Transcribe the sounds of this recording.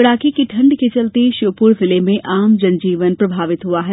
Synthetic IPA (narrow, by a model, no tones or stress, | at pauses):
ɐɽaːkikiʈʰɐ̃ɳɖkit͡ʃɐlt̪iʃoːpʊɾzɪlemẽʔʔaːmd͡ʒɐ̃nd͡ʒiːʋənpɾɐbʱaːʋɪt̪ɦʊaɦɛː